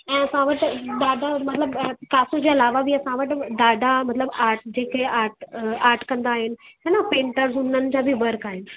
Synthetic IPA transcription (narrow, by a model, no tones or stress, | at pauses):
ɛ̃ːɐsãʋəʈd̪aːɖ̪ʱamɐt̪ləbkaːsod͡ʑeɐlaːʋabʱiɐsãʋəʈd̪aːɖ̪ʱamɐt̪ləbaːɾʈ̚d͡ʑeːkeaːʈaːɾʈkɐ̃nd̪aːɦɪnɪ̆t̪anapẽːɳʈəɾzʊn̤ənɪ̆t͡ɕabʱiʋɐɾkaːɦɪnɪ̆